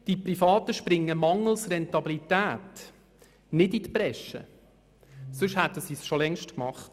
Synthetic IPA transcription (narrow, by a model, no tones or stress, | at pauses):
d̥iprifɑːt̪əʃpɾɪŋːəmɑŋl̩ˠsrɛnt̪ɑbilit̪æːt | nɪdit̪pɾɛʃə̰ | sʏʃhæt̪əsisʃolɛŋʃtkmɑχt